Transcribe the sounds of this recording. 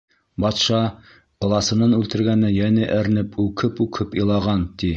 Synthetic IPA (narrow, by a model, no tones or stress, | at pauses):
bɑt̪ʃɑ | qɤ̆lˠɑsɤ̆nɤnʉlt̪ɘ̆ɾɡænɘjænɘʔɘ̆ɾnɘpʰʉkʰɘpʉkʰɘpĭlˠɑʁɑnt̪i